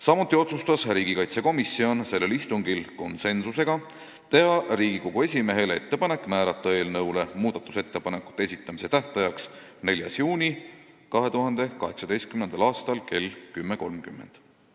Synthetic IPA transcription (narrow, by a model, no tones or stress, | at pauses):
sɑmut̪ːˑio̞t̪sust̪ɑsriːɡ̥ikɑjt̪se̞ko̞misːio̞nse̞lːe̞list̪uŋɡilko̞nse̞nsuse̞ɡ̥ɑ | t̪eɑriːɡiko̞ɡ̥ue̞sʲime̞ɦe̞lee̞t̪ːe̞pɑne̞kːˑmæːɾɑt̪ːɑeːlnɤwle̞muːd̪̥ɑt̪ːˑuse̞t̪ːe̞pɑne̞kːˑu̥t̪ːˑeesʲit̪ːˑɑmise̞t̪æht̪ɑjɑks | ne̞lʲjɑ̰sjuːnʲi | kɑɦe̞t̪uɦɑnd̪̥e̞kɑɦe̞ksɑd̪e̞jst̪kymne̞nd̪ɑlɑːst̪ɑlke̞lːkymːe̞ko̞lmkymːe̞̰nd̪̥